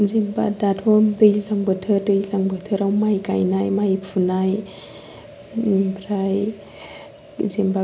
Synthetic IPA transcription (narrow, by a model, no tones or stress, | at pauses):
zemba̰datʰɔmdɯjlaŋbətʰəɾdɯjlaŋbətʰəɾawmajka̰jnajmajpʰunaj | bʰɾaj | zemba